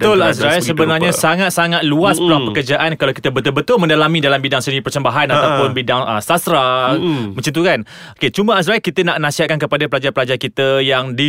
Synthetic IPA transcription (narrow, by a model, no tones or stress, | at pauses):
ət̪ʊlasɾalsəbənarɲãsaŋat̪̚saŋat̪̚luaspuɾaŋpəkərd͡ʒaʔankalawki̥t̪əbət̪ʊlbət̪ʊlmə̃ndalamĩdalambidaŋsəndiɾipərsəmbaɦanaat̪apʊnbidaŋəsasɾamə̃t͡ʃant̪ukan | oket͡ʃuməas̬ɾailkit̪ənaʔnãsihat̪̚kankəpadapəlad͡ʒarpəlad͡ʒaakit̪əjaŋdi